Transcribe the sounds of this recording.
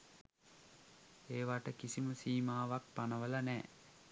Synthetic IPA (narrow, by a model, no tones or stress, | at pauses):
eːʋaʈəkisiməsiːmaːʋak̚panəʋəlanɛː